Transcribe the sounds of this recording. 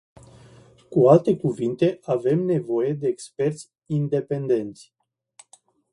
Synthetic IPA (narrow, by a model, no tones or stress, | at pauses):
kualt̪e̞kuvint̪e̞ave̞mne̞vo̞je̞d̪e̞ːkspe̞rt̪sʲ | ind̪e̞pe̞nd̪e̞nt̪sʲ